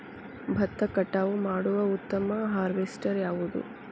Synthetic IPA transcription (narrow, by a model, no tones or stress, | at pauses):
bʱɐt̪ːɐkɐʈːaːʋumaːɽuʋɐut̪ːɐmɐɦaːɾʋesʈɐɾjaːʋud̪ṵ